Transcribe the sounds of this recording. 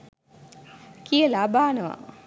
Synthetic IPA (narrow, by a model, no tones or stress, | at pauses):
kiəlaːbaːnəʋa̰